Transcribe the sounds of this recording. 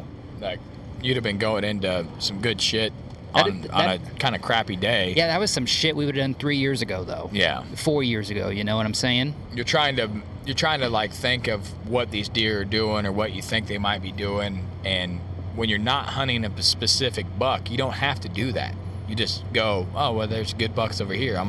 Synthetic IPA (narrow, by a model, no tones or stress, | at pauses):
laɪk̚ | jɨɾɨvbɨ̃nɡoʊɪ̃ŋɪ̃ntʉsʌ̃mɡʊd̥ʃɪt̚ | ʔn̩n̩ɨkʰãɪ̃ndɨkʰɹ̥æpideɪjæðɨt̚wʌz̥sʌ̃mʃɪt̚wiwɨ˞dʌ̃nθɹijɪɹzɨɡoʊðo̰ʊjæ̰fɔɹjɪɹzɨɡo̰ʊjɨnoʊwʌɾãɪ̃mseɪɪ̃ŋ | jə˞tʰɹ̥aɪɪ̃ŋtɨ | jə˞tʰɹ̥aɪɪ̃ŋtʰɨlaɪkθɪ̃ŋkʌv | wʌt̪̚ðizdɪɹə˞dʉɪ̃ŋə˞wʌt͡ʃɨθɪ̃ŋk̚ðeɪmaɪt̚b̥idʉɪ̃ŋ | ɨ̃n | wə̃njə˞nət̚hʌ̃ɾ̃ɪ̃ŋʌpɨspɨsɪfɨk̚b̥ʌkjɨɾõʊ̃nt̚hæftɨdɨðæ̰t̚ | jɨd͡ʒʌstɡ̥oʊʔoʊwɛlˠðə˞zɡʊd̚bʌksoʊvə˞hiɹãɪ̃